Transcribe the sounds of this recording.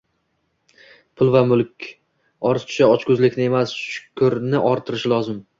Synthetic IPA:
pʰʊlˠvamʊlˠkʲ | ɒɾzt̪ʰʊ̥ʃaɒt͡ʃkʊzlɪkʲnɪe̞masʃʃʊ̥kʰʊɾnɪʔɒɾt̪ʰɪɾɪʃlˠɒzɪm

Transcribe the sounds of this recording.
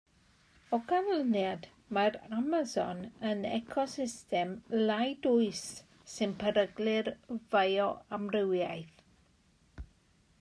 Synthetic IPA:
ɔɡavlənjad | maramazɔ̰nənɛ̰kʰɔsɪstɛmlajdʊɨsː | ɨnpʰəɾəɡlɪrvajɔamrɪwjajθ

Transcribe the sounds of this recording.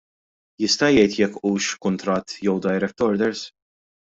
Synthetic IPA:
jɪst̪ɐjɛjt̪jɛkːuːʃkʊnt̪ɾɐt̪ːjɔwd̪ɐjɾɛk̚t̪ɔɾd̪ɛɾs

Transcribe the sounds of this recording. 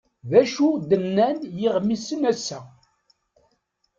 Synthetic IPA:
ðæʃud̪ənːænjɪʁmisənæsːæ

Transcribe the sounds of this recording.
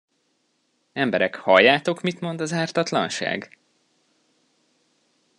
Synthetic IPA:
ɛmbɛɾɛkhɒjːaːt̪o̞kmit̪mo̞nd̪ɒzaːrt̪ɒt̪lɒ̰nʃa̰ːɡ

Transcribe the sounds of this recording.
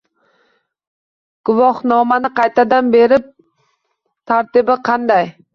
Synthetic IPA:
ɡ̥ʊvɒhnɒmanɪqʰɑjt̪ad̪anbe̞ɾɪp̚ | t̪ʰaɾt̪ɪbɪqʰɑnd̪aj

